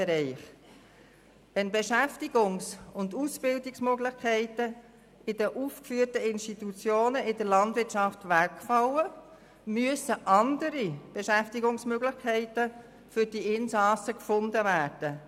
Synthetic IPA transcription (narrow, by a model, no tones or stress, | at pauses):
ɾɛɪχ | ʋɛnbeʃæftiɡ̥ʊŋsʊndusb̥ɪldɪksmøɡlɪχkʰɛɪtə | ɪdəʔufkfyːrtəɪnʃtitut͡sjoːnəʔɪdəɾlɑntvɪtʃɑftʋækfɑwə | myəsəʔɑndəɾib̥eʃæftiɡʊŋsmøɡlɪχkʰɛɪtə | fʏɾd̥iʔɪnsɑsəkfʊndəvæːɾd̥ə